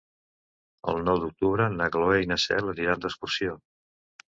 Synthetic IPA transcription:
ə̰lˠnɔwd̪uk̚t̪uβɾənəɣloejnəsɛ̰ləniɾand̪əskuɾsjo

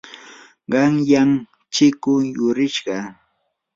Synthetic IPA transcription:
ɢɑŋjaŋ | t͡ʃɪkʊjʊɾɪʃɢɑ

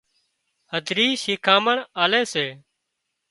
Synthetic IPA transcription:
həd̪ʱɾiːʃiːkʰãːməɳaːleːseː

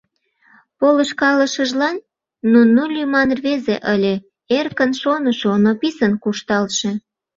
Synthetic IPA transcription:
poləʃkɑləʃəʒlɑnː | unulʲymɑnrβezḛʔəlʲe | erkənʃonəʃonopisənkuʃt̪ɑlʃe

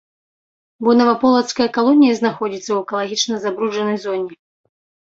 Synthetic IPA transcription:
bɔnɐvɐpɔlˠɐt̪skɐjɐkalˠɔnʲijɐznaxɔd͡zʲit̪sːɐwɛkɐlˠaɣʲit͡ʂnɐzabɾuʐɐnɐjzɔnʲɛ

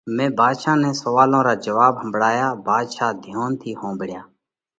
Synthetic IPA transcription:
mɛ̃ːbʱaːd̪ʃaːnɛ̃ːsəʋaːlõːɾaːd͡ʒəʋaːbɦəmbɽaːjaːbʱaːd̪ʃaːd̪ʱjoːnt̪ʰiːhõːbɪɽɪjaː

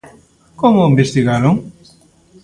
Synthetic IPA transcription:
komʊimbest̪iɣaɾoŋ

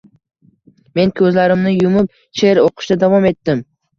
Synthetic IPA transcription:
me̞nkʲʰɵzlaɾɪmnɪjʊmɪp̚ | t͡ʃʰe̞ɾoqʰɨ̥ʃd̪ad̪avɒme̞t̪ːɪm

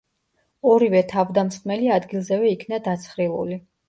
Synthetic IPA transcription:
ɔɾivɛt̪ʰavd̪amsχmɛliad̪ɡilˠzɛvɛikʰnad̪at̪sʰχɾivṵli

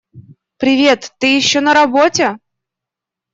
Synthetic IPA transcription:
pɾʲɪvʲe̞t̪ːɨjɪɕːonəɾɐbotʲe

